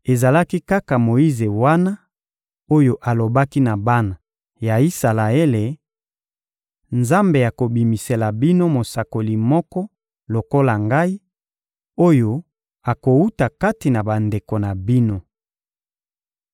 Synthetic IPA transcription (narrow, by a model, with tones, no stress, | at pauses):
e˨za˨la˦ki˦ka˦ka˨mo˨i˦ze˨wa˦na˦ | o˦jo˦ʔa˨lo˨ba˦ki˦na˨ba˦na˨ | ja˨i˦sa˨la˨e˦le˨ | nza˦mbe˨ja˨ko˨bi˨mi˨se˨la˨bi˦no˦mo˨sa˨ko˨li˨mɔ˦kɔ˦ | lo˨ko˦la˨ŋɡa˦i˦ | o˦jo˦ | a˨ko˨u˦ta˨ka˦ti˨na˨ba˨nde˨ko˨na˨bi˦no˦